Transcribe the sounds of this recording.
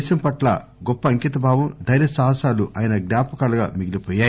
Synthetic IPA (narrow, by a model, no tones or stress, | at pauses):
sɐmpɐʈlɐ̰ɡɔpːɐːŋkit̪ɐbʱaːʋɐmd̪ʱɐɾjɐsaːɦɐsaːluʔaːjɐnɐɡnaːpɐkɐlɐɡaːmiɡilipɔːjaː